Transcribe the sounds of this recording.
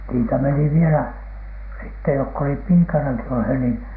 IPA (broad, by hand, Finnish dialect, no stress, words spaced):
niːtæ meni ʋielæ sitːe jokː olip piːkɑnɑki olheˑ niːn